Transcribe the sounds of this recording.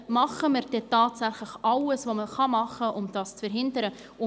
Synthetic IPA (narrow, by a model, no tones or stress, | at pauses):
mɑχəməɾd̥ɛtɑːtsæχləχɑwəsvoməχɑmɑχəʔʊmd̥ɑːst͡sfɛɾɦɪndəɾə | ʊ